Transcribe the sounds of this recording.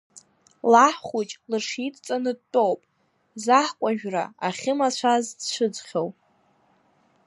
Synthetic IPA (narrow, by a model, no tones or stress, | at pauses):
laħχut͡ʃʼlɨʂitʼt͡sʼanɨd̚tʼowpʼ | zaħkʷʼaʒᶣra̰aχʲɪmat͡ɕʷʰazʃʷʰɨd͡zʷχʲowʼ